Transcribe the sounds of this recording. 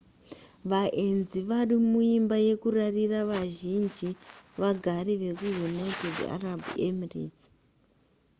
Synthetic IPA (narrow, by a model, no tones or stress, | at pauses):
ʋaʔenziʋaɗimuimbaje̞kurariraʋaʒind͡ʒiʋaɡʱaɾeʋe̞kujunaitedia̰rabʱiemirḭt͡si̥